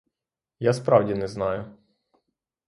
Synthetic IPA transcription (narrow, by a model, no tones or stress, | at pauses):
jaspɾɑwdʲinɛznɑjʊ